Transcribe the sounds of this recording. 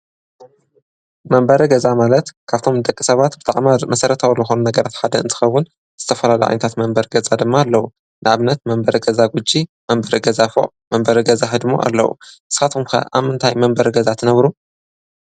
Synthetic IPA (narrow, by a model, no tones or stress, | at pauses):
mɐmbɐɾɐɡɐzamalɐt̪kʰaβt̪ʰo̞md̪ɐkʼːisɐβat̪bɨt̪ʰʼa̰ʕmamɐsɐɾɐt̪ʰawuzɨxo̞nunɐɡɐɾat̪ħad̪ɐɨ̰nt̪ʰɨ̥xɐβun | z̥ɨt̪ʰɐfɐlalɐ̰ʔʕa̰jnɐt̪ʰat̪mɐmbɐɾɡɐzad̪ɨmːaːlːɐwu | nɨʕaβnɐt̪mɐmbɐɾiɡɐzaɡud͡ʒimɐmbɐɾiɡɐzafo̰ʕ | mɐmbɐɾɨɡɐzaħɨd̪ɨmo̰ʔa̰lːɐ̰wṵʔɨsxat̪umkʰɐ̰ʔa̰βmɨnt̪ʰajmɐmbɐɾɡɐzat̪ʰɨnɐβɾu